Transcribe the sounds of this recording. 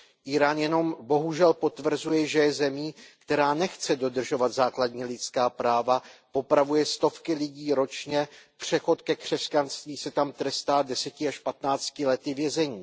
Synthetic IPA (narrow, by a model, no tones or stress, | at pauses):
ʔiːɾaːnjɛno̞mbo̞ɦuʒɛlpo̞t̪vr̩zujɛʒɛjɛzɛmiːkt̪ɛɾaːnɛxt͡sɛdo̞d̪r̩ʒo̞vat̪zaːkladɲiːlɪt͡skaːpɾaːvapo̞pɾavujɛst̪o̞fkɪlɪɟiːɾo̞t͡ʃɲɛpr̝̥ɛxo̞t̪kɛkr̝̥ɛscanst̪viːsɛt̪amt̪ɾɛst̪aːdɛsɛcɪaʃpat̪naːt͡scɪlɛt̪ɪvjɛzɛɲiː